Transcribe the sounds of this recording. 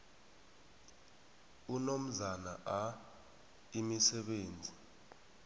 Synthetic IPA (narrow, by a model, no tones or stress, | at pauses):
unom̩zana̰ʔa | imisɛɓeːnd͡zʱi